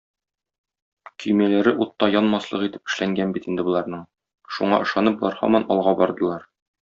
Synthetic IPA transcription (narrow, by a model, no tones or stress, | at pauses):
kɵ̆jmælæɾɘʔut̪ːɑjɒnmɑslˠɤ̆qit̪ɘ̥pɘ̆ʃlæŋɡænbit̪ind̪ɘbŭlˠɑɾnɤɴ | ʃuɴɑ̰ʔɤ̆ʃɑnɤp̚bulˠɑɾhɒ̰mɑnɒlˠʁɑbɒɾd̪ɤ̆lˠɑɾ